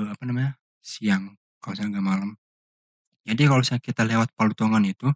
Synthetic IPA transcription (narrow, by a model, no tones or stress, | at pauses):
apanamaɲa | siaŋ | kalasajaɡamalam | d͡ʒadikalosajakit̪alewat̪̚palut̪oŋanit̪u